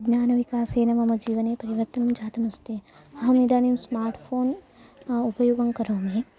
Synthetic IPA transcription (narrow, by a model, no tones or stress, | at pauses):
ɡnaːnɐʋikaːseːnɐmɐmɐd͡ʒiːʋɐneːpɐɾiʋɐɾt̪ɐnmɐ̃t͡ʃaːt̪ɐmɐst̪e | ɐɦɐmid̪aːnimsmaːɾʈpʰoːn | upɐjoːɡɐŋkɐɾõːŋɡeː